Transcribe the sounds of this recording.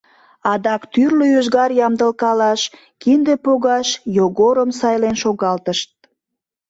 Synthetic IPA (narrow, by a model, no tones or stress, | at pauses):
ɑd̪ɑkt̪yrløøʒɣɑrjɑmd̪əlkɑlɑʃ | kind̪epoɣɑʃjoɣoɾəmsɑjlenʃoɣɑlt̪əʃt̪̚